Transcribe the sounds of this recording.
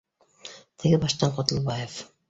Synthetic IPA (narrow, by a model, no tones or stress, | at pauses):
t̪ʰɘ̆ɡɘbɑʃt̪ɑɴqot̪ɤ̆lˠbɑjef